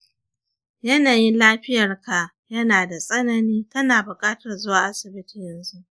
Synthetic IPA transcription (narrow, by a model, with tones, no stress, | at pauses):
jɐ˦naː˨ji˦nlaː˦ɸɪ˦jɐ˨rka˨ʔ | jɐ˦naː˨da˨sʼɐ˦nɐ˦niː˦tɐ˦naː˨bʊ˨kʼaː˦tɐ˨rzʊ˦waː˨ʔa˦sɪ˨bɪ˦ti˨jɐ˨nzu˦ʔ